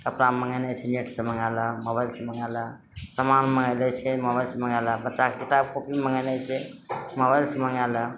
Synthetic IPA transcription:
kəpnaməŋɡənət͡ʃʰɛneʈsə̃məŋaləmoβajlsəməŋalə | səmanməŋɡəjlət͡ʃʰɛmobajlsəməŋaləbətːʃakekit̪abkopiməŋɡənət͡ʃʰɛmobajlsəməŋalə

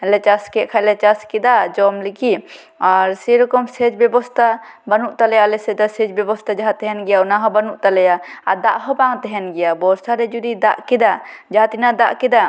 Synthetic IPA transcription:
lɛt͡ʃaskɛʔkʰalɛt͡ʃaskɛd̪ad͡ʒɔmliki | aɾsɛɾɔkɔmsɛd͡ʒbɛbɔst̪ʰa | banuʔt̪alɛjalɛsɛd̪ɔsɛd͡ʒbɛbɔst̪ʰad͡ʒaɦat̪ɛɦɛnɡɛjaunaɦɔbanuʔt̪alɛjaad̪aʔɦɔbaŋt̪ɛɦɛnɡɛjabɔsʰaɾɛd͡ʒud̪id̪aʔkɛd̪a | d͡ʒaɦt̪inad̪aʔkɛd̪a

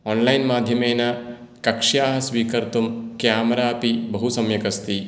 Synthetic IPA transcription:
ɔːnlɐjnmaːd̪ʱjɐmeːna | kɐkʂjaːɦɐsʋiːkɐɾt̪umkjaːmɾaːpibɐɦusɐmjɐkɐst̪i

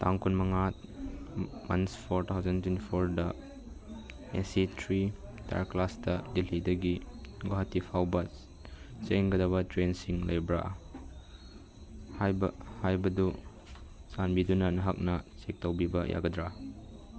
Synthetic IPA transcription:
taŋkunmɐŋat̚ | mɐnspʰoɾtʰawzɐntwentipʰoɾdɐ | esitʰɾita̰ɾklasdɐdilidɐɡiɡwaɦɐtːipʰawbɐ | t͡ʃeŋɡɐdɐβɐtɾensiŋlɐjbɾa̰ʔ | hajbhajbɐdu | sanbidunɐnɐɦak̚nɐsek̚tɐwbibɐjʔa̰ɡɐdɾa

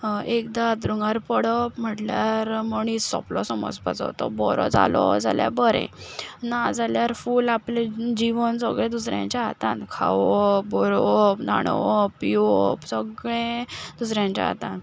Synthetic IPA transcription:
ekd̪at̪ɾuŋɡaɾpəɽəpm̤əʈljaɾməɳ̃isɔ̰plɔsəmɔ̰d͡zpa̰t͡sɔ̰t̪ɔbɔɾɔd͡za̰lɔd͡za̰lja̰bəɾḛ̃nad͡zaljaɾfuːlapled͡ʑiʋənsəɡɭẽd̪usɾjã̰ɲt͡ɕaɦat̪ãnkʰa̰ʋɔbɔɾɔpnaɽ̃ɔʋpiʋɔpsəɡɭẽd̪usɾjãɲt͡ɕa̰ɦa̰t̪ãn

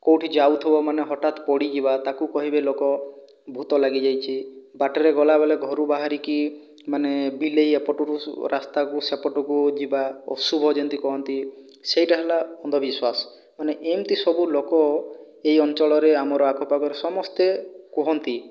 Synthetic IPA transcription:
kowʈʰid͡ʒawt̪ʰibɔmaneɦɔʈat̪pɔɽid͡ʒibat̪akukɔɦibelokɔ | bʱut̪ɔlaɡid͡ʒajt͡ʃʰibaʈɔɾeɡɔlabeleɡʱɔɾubaɦaɾiki | manebilejepɔʈɔɾuɾʔast̪akusepɔʈɔkud͡ʒibaɔ̰subʱɔd͡ʒɔnt̪ikɔɦɔnt̪i | sejʈaɦelaɔnd̪ʱɔbiswasɔ̥ | maneʔemt̪isɔbulokɔ | ejɔnt͡ʃɔɭɔɾeamɔɾɔakɔpakɔɾesɔmɔst̪ekɔɦɔnt̪i

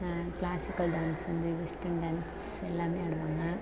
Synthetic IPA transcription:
klaːsikːɐlɖaːnsʋɐnd̪ɨʋɛsʈɐɳɖaːns | ɛlːaːmeːɐɽuʋaːŋɡɐ

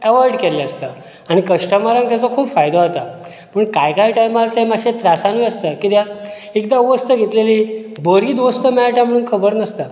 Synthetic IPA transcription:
əʋaɾɖkɛleəst̪a | aɽ̃ikəʂʈəmaɾãŋɡt̪jat͡sɔkʰuːpfajd̪aɦot̪a | pəɳkajkaiʈajmaɾt̪ɛmaɕet̪ɾasanʋiəst̪akit̪ja | ekd̪auʋəst̪əɡʱet̪leliːbəɾiːd̪ʋost̪əmɛɭaʈjam̤əɽ̃uːnkʰəbəɾnəst̪a

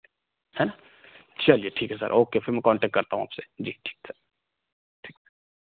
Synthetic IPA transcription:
hɛna | t͡ʃɐlijeʈʰiːkɦɛsɐ̰ɾʔoːkefʰɪɾmɛ̃kɔ̃ːɳʈɛːkʈkɐɾt̪aɦũa̰ːpsed͡ʒiːʈʰi̥ːksəɾ | ʈʰiːks

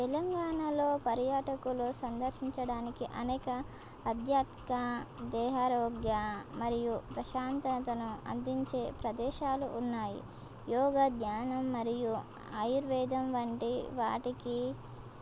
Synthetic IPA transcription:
t̪ɛlɐŋɡaːɳaloːpɐɾjaːʈɐkulusɐnd̪ɐɾʃiɲt͡ʃɐɽaːnikiʔɐnɛːkɐː | d̪ʱjaːt̪kad̪ɛːɦaːɾɔːɡjamɐɾijupɾɐʃaːnt̪ɐnɐt̪ɐnuɐ̰nd̪iɲt͡ʃe̞ːpɾɐd̪ɛːʃaːlṵʔːnːaːjḭ | jɔːɡɐd̪jaːnɐmːɐɾiju | a̰juɾʋɛːd̪ɐmʋɐɳʈiʋa̰ːʈiki

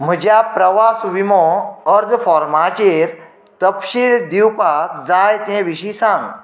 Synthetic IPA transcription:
m̤əd͡ʑjapɾəʋasʋimɔəɾd̪fɔɾmat͡ɕeɾ | t̪əpɕild̪iwpakd͡zajt̪ɛ̃ʋiɕisãŋɡ

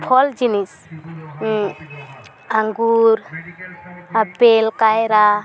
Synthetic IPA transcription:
pʰɔld͡ʒinis | aŋɡuɾ | apelkajɾa

